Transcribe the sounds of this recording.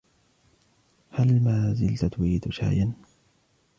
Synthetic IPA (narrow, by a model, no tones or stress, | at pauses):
halmaːzɪlt̪at̪wiːt̪ʃa̰ːjan